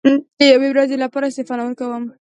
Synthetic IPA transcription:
d̪əjawewɾazelapɑɾaɪst̪efɑnawəɾkawəm

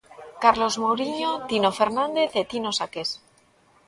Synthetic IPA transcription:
kaɾlo̞zmowɾiɲo̞t̪ino̞fe̞ɾnãnd̪e̞θet̪ino̞sake̞s

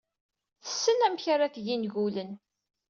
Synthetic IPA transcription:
θə̥sːənæmçaɾakjinʝulən

